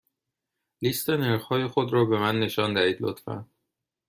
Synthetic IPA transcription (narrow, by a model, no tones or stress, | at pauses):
list̪ʰe̞ne̞ɾxhɒːje̞xo̞d̪ɾɒːbe̞mænːe̞ʃɒːnd̪æhiːd̪lo̰t̪fæ̰n